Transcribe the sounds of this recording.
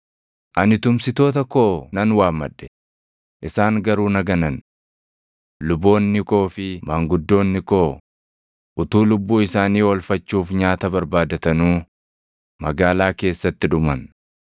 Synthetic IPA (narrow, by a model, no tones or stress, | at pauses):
ʔɐnɪt̪ʊmsɪt̪o̞ːt̪ɐkoːnɐnwaːmːɐ̰ᶑːɛ̥ | ʔɪsaːŋɡɐɾuːnɐɡɐnɐn | lʊbo̞ːnːɪkʼo̞ːfɪmaŋɡʊd̪ːo̞ːnːɪko̞ː | ʔʊt̪uːlʊbːuːɪsaːniːwɔlfɐt͡ʃːuːfɲaːt̪ɐbɐɾbaːd̪ɐt̪ɐnuː | mɐɡaːlaːke̞ːsːɐt̪ːɪᶑʊmɐn